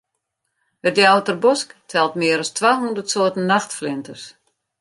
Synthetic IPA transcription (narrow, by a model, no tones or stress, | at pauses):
hət̚djawtərbɔsktʰɛlˠtmɪəɾɔstʰʋaːɦundərtsoətn̩ːaxtflɪntəs